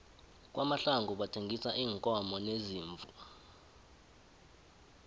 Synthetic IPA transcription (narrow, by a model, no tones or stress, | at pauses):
k̬wʔamaɬaŋɡʱuɓatʰeŋɡʱisaʔiːŋkʼɔmɔneziːɱvua